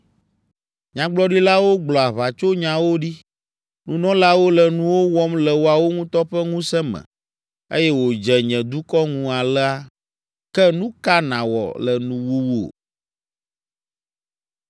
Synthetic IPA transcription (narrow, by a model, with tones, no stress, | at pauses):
ɲã˨ɡ͡blɔ˦ɖi˦la˦wo˦ɡ͡blɔ˨a˨βa˨t͡ʃo˦ɲã˨wo˦ɖi˦ | nṵ̃˦nɔ̃˦la˦wo˦lɛ˨nũ˦wo˦wɔ˦mlɛ˨wo˦a˨wo˦ŋũ˦t̪ɔ˦ɸɛ˦ŋũ˦sɛ̃˦mɛ̰̃˨ | ḛ˦jɛ˦wo˨d͡ʒɛ˨ɲɛ̃˨d̪u˦kɔ˦ŋũ˦a˨lɛ˦a˦ | kɛ˦nũ˦ka˦nã˨wɔ̰˨lɛ˨nũ˦wu˦wu˦o̰˨